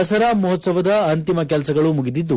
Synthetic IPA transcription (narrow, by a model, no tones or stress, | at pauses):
ɐsɐɾaːmɔɦɔt̪sɐʋɐd̪ɐɐnt̪imɐkɛlɐsɐɡɐɭumuɡid̪id̪ːu